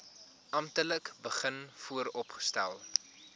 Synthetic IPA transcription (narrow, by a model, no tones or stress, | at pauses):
ʔɐmtələkbəχənfuəɾɔpχə̥stæ̰lˠ